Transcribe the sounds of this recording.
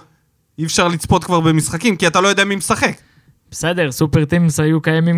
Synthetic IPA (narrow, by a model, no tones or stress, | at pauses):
ifʃaʁlit͡spo̞t̪kvaʁbemisχakimkiat̪alojodeamimesaχek | b̥ese̞d̪e̞ʁsupeʁt̪imsajukajamim